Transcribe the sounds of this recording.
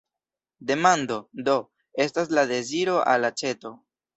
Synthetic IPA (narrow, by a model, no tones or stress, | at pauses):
de̞mando̞do̞ | e̞staslade̞ziɾo̞ʔa̰lːat͡ʃe̞to̞